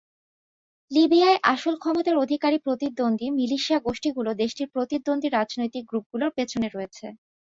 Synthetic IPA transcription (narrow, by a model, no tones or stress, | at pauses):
libiaeʔaʃolkʰɔmot̪aɾod̪ʱikaɾipɾot̪id̪ːond̪ʱimiliʃiaɡoʃʈiɡulod̪eʃʈiɾpɾot̪id̪ːond̪ʱiɾad͡ʑnojt̪ik̚ɡɾup̚ɡuloɾpet͡ɕʰoneɾoet͡ɕʰe